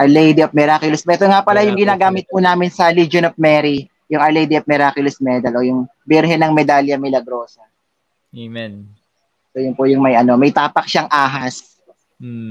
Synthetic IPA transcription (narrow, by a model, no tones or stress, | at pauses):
ʔɐɹlɛjd̪iɐp̚mɛɾaːkʊlɛsmɛt̪oŋapɐlajʊŋɡɪnaːɡaːmɪt̪̚pʊnaːmɪnsɐlid͡ʒonɐp̚mɛɾi | jʊŋɐɹlejd̪iʔɐp̚mɛɾaːkʊlɛsmɛd̪ɐlʔoːjʊŋbɪɾɦɛnɐŋmɛd̪aːljɐmɪlɐɡɾo̞ːsɐ | mɛn | sojʊnpʊjʊŋmɐjʔɐno̞mɐjt̪aːpɐk̚ʃaŋʔaːɦɐs